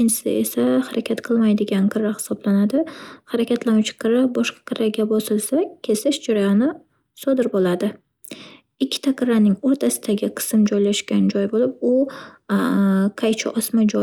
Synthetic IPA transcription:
ɪnʰɪ̥sɪ̰e̞̰sahaɾakʲʰat̪qʰɨlˠmajd̪ɪɡʲanqʰɨɾːahɪ̥sɒblanad̪ɪhaɾakʲʰat̪lanʊt͡ʃʰqʰɨɾabɒʃqɑ̥qʰɨɾaɡʲabɒsɪlˠsakʲʰːe̞sɪʃd͡ʒaɾajanɪ | sɒd̪ɪɾbolad̪ɪ | ɪkʲʰːɪ̥t̪ʰaqʰɨɾanɪŋoɾt̪ʰasɪd̪aɡʲɪqʰɨ̥sɪmd͡ʒɒjlaʃkʲand͡ʒɒjbolɪp̚ʊ | qʰajt͡ʃʰɪ̰ʔɒsmad͡ʒɒ

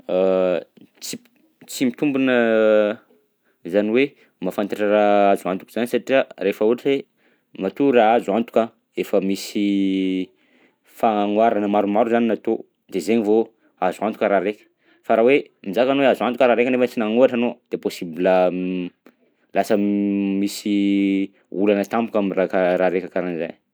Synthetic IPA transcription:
t͡si | t͡simit̪umbunə | zaniwe | mafant̪iʈ͡ʂaraazuant̪u̥kiz̥anisaʈ͡ʂiaɾefəuʈ͡ʂe | mat̪uraazuant̪u̥ka | efəmisi | faŋwaɾanəmaɾumaɾuzaninat̪o | d̪ezeɲivo | azuant̪u̥kʲəɾaɾekʲə̥ | faɾawemizakanweazuant̪ukʲəɾaɾekanefət͡sinaŋuaʈ͡ʂanod̪̥eposibilə | lasəmisi | ulanət̪ampukʲamirakaɾaɾekəkaɾaniza̰j

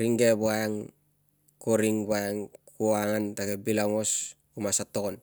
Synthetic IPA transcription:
ɾiŋɡebuaeŋ | koɾiŋbuaeŋkuaŋantaɡebilaŋos | umasatːokon

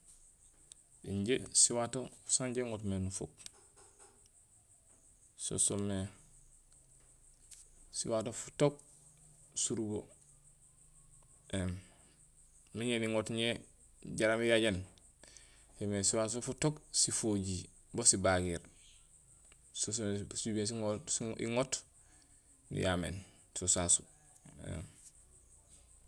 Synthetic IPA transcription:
ḭɲɟesiwatofsaɲɟeŋotmenufo̰k̚ | so̰so̰me | sḭwatofu̥tok̚ | suɾubo | em | miɲeniŋotɲe | ɟaɾamijaɟan | femesiwaːsofutoksifoɟi | bosibaɡiɾ | sossubens̬ioḭŋot | nḭjamḛːnsosasu | ḛm

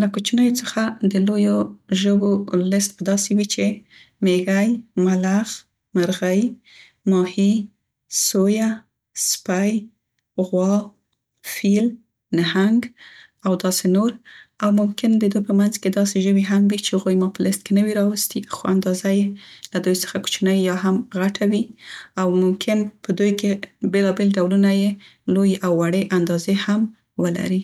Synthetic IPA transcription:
lakut͡ʃinəjot͡səxad̪əlojoʒəbolɪst̪̚bəd̪ɑsiwit͡ʃe | meɣajmalax | maɾɣəj | mɑhi | soja | spaj | ɣwɑw | fil | nahaŋɡ | awd̪ɑsenoɾawmʊmkɪnd̪əd̪ujpəmanzked̪ɑseʒəwiɦamwit͡ʃehaɣojmɑpəlɪst̪̚kenəwiɾɑwəst̪ixoand̪ɑzajelad̪ujsə̥xaku̥t͡ʃnəjːɑɦamɣaʈʰawiawmʊmkʰɪnpəd̪ujkebelɑbelɖawlunaje | lojʔawːaɽeʔand̪ɑzeham | wəla̰ɾi

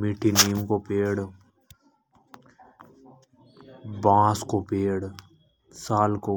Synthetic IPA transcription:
miʈʰiniːmkopeːɽ | bãːskopeːɽ | saːlko

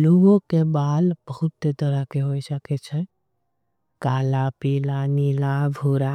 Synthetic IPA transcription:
luʋõkebaːlb̥əɦʊt̪ːet̪əɾəkeɦoːisəket͡ʃʰɛ | kaːlapiːlaniːlabʱuːɾa

